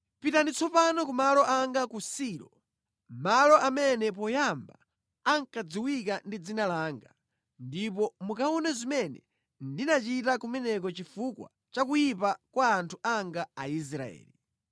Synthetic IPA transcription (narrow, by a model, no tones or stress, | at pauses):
pitanit͡sʰɔpanɔk̬umalɔʔaŋɡakusiːlɔ | malɔʔamɛnɛp̬ɔjamba | aŋkad͡ziwik̬andid͡zinalaːŋɡa | ndipɔmukaɔnɛzimɛnɛ̰ | ndinat͡ʃitakumɛnɛk̬ɔt͡ʃifukwa̰ | t͡ʃakujipakwaːntʰuʔaŋɡaais̬ɾa̰ɛ̰ːli